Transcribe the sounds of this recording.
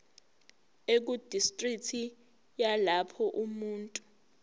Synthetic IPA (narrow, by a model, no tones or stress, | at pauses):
ek̬ud̥ʱistʼriktʰi | jalapʰɔʔumuːntʼu